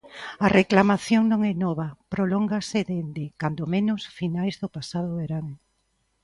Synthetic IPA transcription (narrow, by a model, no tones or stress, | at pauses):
ɐreklamaθjoŋnõŋɛnɔβ̞apɾolɔŋɡasɪðend̪ɪkand̪omẽnʊsfinajzðʊpasaðʊβeɾaŋ